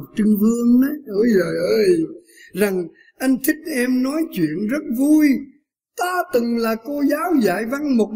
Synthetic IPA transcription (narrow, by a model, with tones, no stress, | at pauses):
t̚t͡ɕɨ˧ŋvɨ˧əŋnɛ˨˦ʔə˧jzəː˨˩jʔəː˧j | za˨˩ŋ | ʔa˧jŋ̟t̪ʰï˦˥k̚ʔɛ˧mnɔ˨˦jt͡ɕwḭ˧˨ənzə˦˥t̚vu˧j | t̪aː˧t̪ɨ˨˩ŋlaː˨˩ko˧zaː˨˦wza̰ː˧˨jva˧ŋmo˨˩t̚